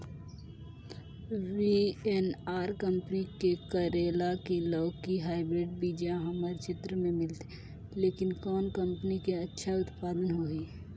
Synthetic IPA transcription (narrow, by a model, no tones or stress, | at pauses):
ʋienaːɾkəmpənikekəɾeːlakilɔːkiɦaːɪbɾɪɖ̚bid͡ʒãɦəməɾt͡ʃɪt̪ɾəmẽmɪlt̪e̥ | leːkɪnkɔːnkə̃mpənikeətːʃʰaʊt̪paːd̪ənɦoɦiː